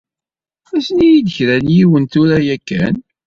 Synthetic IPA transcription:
æsnijid̪əçɾænjiwənt̪uɾæjækːæ̰n

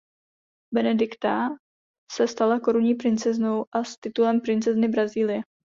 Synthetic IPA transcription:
bɛnɛdɪkt̪a | sɛst̪alako̞ɾuɲiːpɾɪnt͡sɛzno̞wʔast̪ɪt̪ulɛmpɾɪnt͡sɛznɪbɾaziːlɪjɛ

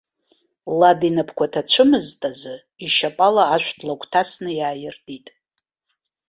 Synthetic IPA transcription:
ladinapʰkʷatʰat͡ɕʷʰɨmɨztʼazɨ | iʃapʼalaːʃᶣʷdlakʷʰʼtʰasnɨjaːjɪrditʼ

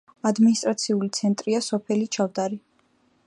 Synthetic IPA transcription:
ad̪minist̪ʼɾat̪sʰiulit̪sʰɛnt̪ʼɾiasɔpʰɛlit͡ʃʰavd̪aɾi

